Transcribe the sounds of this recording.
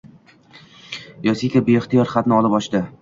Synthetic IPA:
jɒsikʲabeɪχt̪ijɒɾχat̪nɪɒlˠɪpɒʃd̪ɪ

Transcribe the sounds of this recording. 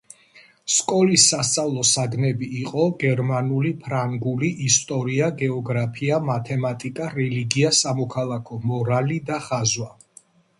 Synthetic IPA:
skʼɔlisːast̪sʼavlˠɔsaɡnɛbiːqʼɔɡɛɾmanulipʰɾaŋɡuliʔist̪ʼɔɾiaɡɛɔɡɾapʰiamat̪ʰɛmat̪ʼikʼaɾɛliɡiasamɔkʰalˠakʰɔmɔɾalid̪aχazwa

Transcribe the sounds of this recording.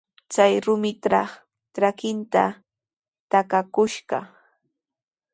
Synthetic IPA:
t͡sajɾʊmɪt̪ɾɑχ | ʈ͡ʂɾakɪnt̪a̰ | t̪akakʊʃɢɑ

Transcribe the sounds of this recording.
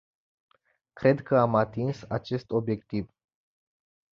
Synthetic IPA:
kɾe̞d̪kəamat̪insat͡ʃe̞st̪o̞bje̞kt̪iv

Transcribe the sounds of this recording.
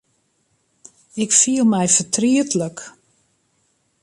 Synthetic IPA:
ɪkfiəlˠmɛjfətʰriətlək

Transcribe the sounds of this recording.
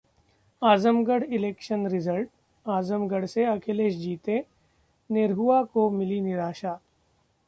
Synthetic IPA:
aːzəmɡəɽɪleːkʃənɾɪzəlʈ̚ | aːzəmɡəɽseɐkʰeleːʃ̬d͡ʒiːt̪ẽ | neɾɦuakomɪlinɪɾaːʃaː

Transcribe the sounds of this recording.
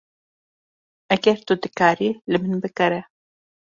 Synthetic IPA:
ʔɛɡɛɾt̪ud̪ɨkaːɾilɨmɨnbɨkɛɾɛ

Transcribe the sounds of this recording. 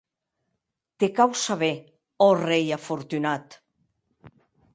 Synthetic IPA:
t̪ekawsaβe | ɔrejafoɾt̪ynat̪

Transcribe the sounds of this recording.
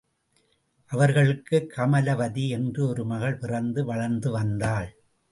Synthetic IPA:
ʔɐʋɐɾɣɐɭɯkːɯkːɐmɐlɐʋɐðiɛndrɯɔɾɯmɐɣɐɭpɪrɐnd̪ɯʋɐɻɐɾnd̪ɯʋɐnd̪aːɭ

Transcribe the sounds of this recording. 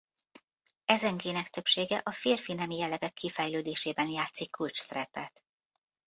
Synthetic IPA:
ɛzɛŋɡeːnɛkt̪ø̞pʃeːɡɛʔɒfeːrfinɛmijɛlːɛɡɛkːifɛjløːd̪eːʃeːbɛnjaːt̪sikːult͡ʃsɛɾɛpɛt̪

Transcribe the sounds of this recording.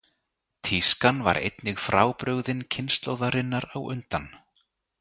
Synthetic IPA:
t̪ʰiskanva̰ɾʔḛjt̪nɪɣfɾaːwpɾʏɣðɪncʰɪnst̪loːwðaɾɪnːaɾawʏ̰nt̪an

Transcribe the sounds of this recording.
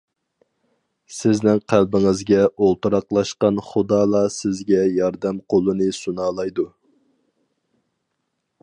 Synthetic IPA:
sɪznɪŋqʰælbɪŋɪzɡʲɛʔolˠt̪uɾɑqlˠɑʃqɑnχʊd̪ɑːlˠɑsɪzɡʲɛjɑɾd̪ɛmqʰolˠɨnɨsunɑːlˠɑjd̪u

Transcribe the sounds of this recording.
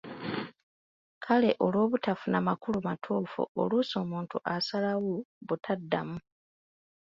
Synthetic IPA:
kʰale̞ʔo̞lwo̞ːβutafunamakulumatʰuːfṵo̰luso̞ːmuːntuʔasalaɣuβutʰadːamu

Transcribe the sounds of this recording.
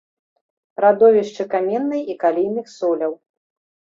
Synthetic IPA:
ɾad̪ɔvʲiʂt͡ʂɨkamʲɛnːɐjikalʲijnɨxsɔlʲɐw

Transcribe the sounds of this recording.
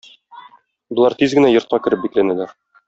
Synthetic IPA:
bŏlˠɑɾt̪izɡɘ̆næjŏɾt̪̚qɑkɘ̆ɾɘp̚biklænælæɾ

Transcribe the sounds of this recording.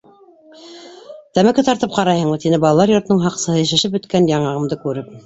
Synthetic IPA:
t̪æmækɘt̪ɑɾt̪ɤp̚qɑɾɑjhɤ̆ɴmɤt̪inɘbɑlˠɑlˠɑɾjŏɾt̪ɤ̆nɤɴɦɑqsɤ̆hɤjæʃæ̆ʃɘpbɵ̆t̪kænjɑɴɑʁɤ̆md̪ɤkʉɾɘp̚

